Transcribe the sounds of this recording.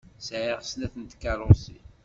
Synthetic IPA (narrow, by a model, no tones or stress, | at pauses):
sʕiʁsnæθənt̪kːæɾˤʊsḭ